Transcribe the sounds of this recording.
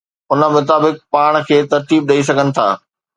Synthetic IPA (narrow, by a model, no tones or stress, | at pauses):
ʊnə̆mʊt̪aːbɪk̚paːɽ̃kʰeːt̪ɐɾt̪iːb̚ɗɐis̬ɐɡʱənɪ̆t̪ʰa̰ː